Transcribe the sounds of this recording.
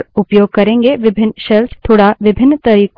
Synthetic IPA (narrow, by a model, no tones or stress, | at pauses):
ɾʊpjoːɡ̚kɐɾẽːŋɡeʋɪbʱɪnːʃɛlst̪ʰoːɽaʋɪbʱɪnːt̪ɐɾiːk